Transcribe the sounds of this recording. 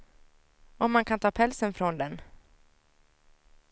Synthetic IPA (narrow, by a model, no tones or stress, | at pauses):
ɔmːankʰant̪ʰɑːpʰɛlsənfɾɔnd̪ɛn